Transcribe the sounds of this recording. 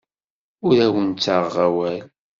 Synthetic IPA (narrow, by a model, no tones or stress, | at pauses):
ʊɾæwənt͡sːaʁʁawæl